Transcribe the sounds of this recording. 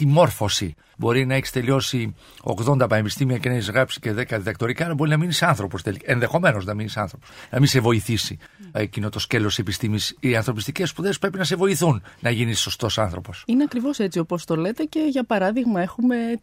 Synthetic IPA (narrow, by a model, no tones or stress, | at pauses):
t̪imo̞ɾfo̞si | bo̞ɾinɐeçist̪e̞lio̞si | o̰ɣðo̞nd̪ɐpɐnepist̪imiɐce̞nɐeçizɣɾɐpsi̥ce̞ðe̞kɐðiðɐk̚t̪o̞ɾikaːlɐbo̞ɾinɐminisɐnθɾo̞po̞st̪elienðe̞xo̞me̞no̞znɐminisɐ̰nθɾo̞posnɐmise̞vo̞iθisi | ecino̞t̪o̞sce̞lo̞sse̞pist̪imisɐnθɾo̞pist̪ice̞spuðe̞spɾe̞pinɐs̬e̞vo̞iθunnɐʝinisːo̞st̪o̞sɐnθɾo̞po̞sineɐkɾivo̞se̞t͡sio̞po̞st̪o̞le̞t̪e̞ce̞ʝɐpɐɾɐðiɣmɐe̞xume̞